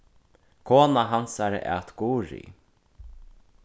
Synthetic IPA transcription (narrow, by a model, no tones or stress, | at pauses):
kʰoːnaɦansaɾə̰ʔɛ̰t̪ɡuːɾḭ